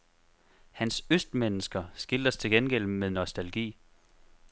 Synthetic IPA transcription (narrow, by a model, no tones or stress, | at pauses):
hænsøsd̥menəsɡ̥ɐsɡ̥il̥ɐst͡sʰe̝lɡenɡ̥el̰meðˠnɒ̽sd̥ælɡ̥ḭː